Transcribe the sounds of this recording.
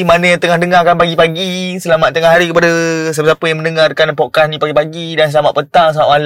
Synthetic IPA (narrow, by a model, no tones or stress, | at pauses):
manə̃jat̪əŋahdəŋakanpaɡipaɡisəlamaʔ̪̚t̪əŋaɦaɾikəpadas̬apəsapəjãŋmə̃nəŋarkanpɔʔkasnĩpaɡipaɡidansəlama̰t̪ʔ̪pənt̪aŋsəmaʔmal